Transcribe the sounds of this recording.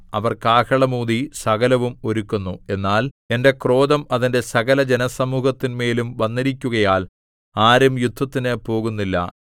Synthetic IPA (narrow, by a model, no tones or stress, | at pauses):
ɐʋɐrkaːkɐɭɐmuːðisɐɣɐlɐʋumo̞ɾukːunːue̞nːaːl | e̞nde̞kro̞ːd̪ɐmɐðinde̞sɐɣɐlɐd͡ʑenɐsɐmuːhɐt̪ːinme̞ːlumʋɐnːiɾikʲːuɣɐjaːl | aːɾɐmjud̪ʱːɐt̪ːinɨpo̞ːɣunːilːɐ̰